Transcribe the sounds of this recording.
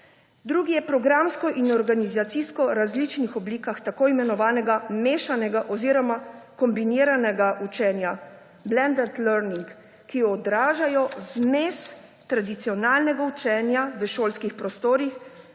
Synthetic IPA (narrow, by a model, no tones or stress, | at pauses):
d̪ɾuːɡijɛpɾɔɡɾamskɔʔinɔɾɡanizat̪siskɔɾazlit͡ʃnixɔbliːkaxt̪akoːimɛnɔʋaːnɛɡameːʃanɛɡaʔɔziːɾɔmakɔmbiniːɾanɛɡaʔut͡ʃɛnja | blɛnd̪ɛt̪lɛɾniŋk | kːijɔːd̪ɾaːʒajɔzmeːs | t̪ɾad̪it̪sijɔnaːlnɛɡaut͡ʃɛːnjaʋəʃoːlskixpɾɔst̪oːɾix